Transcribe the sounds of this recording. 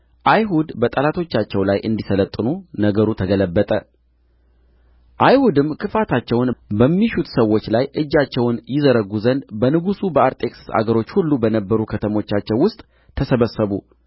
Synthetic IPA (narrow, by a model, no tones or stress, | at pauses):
ʔajɦud̪bət̪ʼəlat̪ʰo̞t͡ʃːat͡ʃːɛwlajʔɨ̰nd̪isələt̪ʼːɨnunəɡəɾut̪ʰəɡələbːət̪ʼə | ʔajhud̪ɨmkʰɨfat̪ʰat͡ʃːɛwnbəmːiʃut̪səwːo̞t͡ʃːlajʔɨd͡ʒːat͡ʃːɛwnjɪzəɾəɡuzənd̪bənɨɡusubəaɾt̪ʼe̞kssa̰ɡəɾo̞t͡ʃːhulːubənəbːəɾukʰət̪ʰəmo̞t͡ʃːat͡ʃːɛwʊst̪ʼ | t̪ʰəsəβəsːəβu